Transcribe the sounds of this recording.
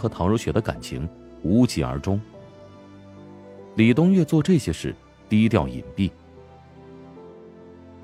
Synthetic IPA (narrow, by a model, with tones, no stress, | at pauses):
xɤ˧˥t̪ʰɑ˧˥ŋɻo˧˥ʊɕɥɛ˧˥d̪ə˧ka̰˨˩nt͡ɕʰḭ˧˥ŋ | u˧˥t͡ɕi˧˩ə̰˞˧˥ʈ͡ʂʊ˥ŋ | li˨˩t̪ʊ˥ŋɥɛ˥˧t͡swɔ˥˧ʈ͡ʂɤ˥˩ɕjɛ˥ʂɻ̩˥˩ | t̪i˥˧i˥t̪̬jɑ˥˩ʊḭ˨˩npi˥˩